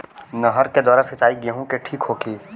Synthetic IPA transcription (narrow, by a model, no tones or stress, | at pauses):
nəɦəɾked̪ɔːɾəɾsɐt͡ʃaːiɡeɦũkeʈʰiːkɦoːkiː